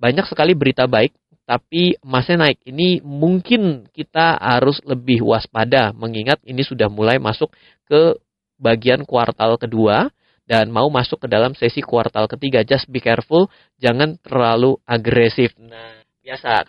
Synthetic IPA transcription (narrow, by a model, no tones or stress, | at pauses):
baɲak̚səkalibəɾit̪abaɪk̚ | t̪apimasɛnaɪk̚inimuŋkɪnkit̪aha̰ɾʊsləbɪɦwaspadaməŋiŋat̪̚inisudahmulajmasʊk | kə | baɡiankuwart̪alkədua | danmaumasʊkːədalamsesikua̰rt̪alkət̪iɡad͡ʒasbikɛrfʊl | d͡ʒaŋant̪ərlaluʔaɡɾɛsɪfna | biasa